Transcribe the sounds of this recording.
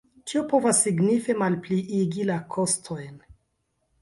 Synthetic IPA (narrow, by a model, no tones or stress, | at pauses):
t͡ʃiopo̞vasːiɡnife̞malpliʔiɡilakʰo̞stʰo̞jn